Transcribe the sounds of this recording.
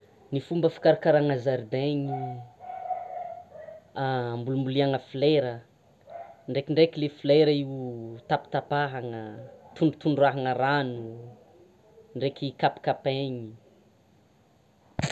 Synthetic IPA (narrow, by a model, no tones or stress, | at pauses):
nifumbəfi̥kaɾakaɾaŋazaɾd̪eɲi | ambulumbuliaŋəfileɾə | ɳɖ͡ʐekiɳɖ͡ʐekilefileɾəiwt̪api̥t̪apaɦaŋət̪uɳut̪uɳɖ͡ʐuaɦaŋəɾanu | ɳɖ͡ʐekikapi̥kapeɲi